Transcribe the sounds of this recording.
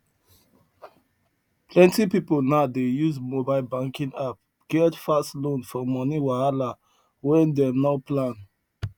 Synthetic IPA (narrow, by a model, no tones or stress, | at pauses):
pʰlɛ̃ntipipolnaʊdejuzmobaɪlbãŋkĩŋap̚ | ɡ̥ɛldfastlõnfɔmɔniwaala | wɛ̃ndɛmnapʰlãn